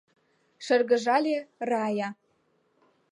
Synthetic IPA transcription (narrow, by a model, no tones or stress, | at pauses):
ʃə̆rɣə̆ʒɑlʲerɑjɑ